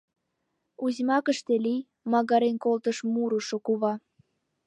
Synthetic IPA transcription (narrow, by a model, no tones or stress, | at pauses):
uzʲmɑkəʃt̪elij | mɑɣɑɾenkolt̪əʃmuɾuʃokuβɑ